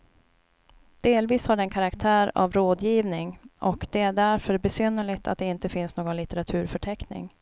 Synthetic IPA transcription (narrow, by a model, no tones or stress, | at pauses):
d̪̥eːlviːshaɖɛɛnkʰaɾakt̪ʰæːɾa̰vɾoːd̪jiːvnɪŋɔkd̪̥ɛæɖæɾfœɾbɛsynːəɭɪɡt̪ʰa̰t̪̚d̪ɛɪnt̪əfɪnsnoːɡɔnlɪt̪ɛɾat̪ʰʉ̟ːɾfœʈʰɛknɪ̰ŋ